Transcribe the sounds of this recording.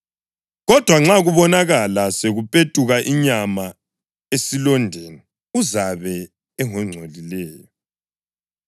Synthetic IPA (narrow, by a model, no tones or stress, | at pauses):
ɣɔd̥ʱwaŋ͡ǁaɣuβɔnaɣalaseɣupʼetʼuɣaʔiɲama | esilɔndʱenɛ | uzaβɛ | ɛŋɔŋ͡ǀʱolilɛːjɔ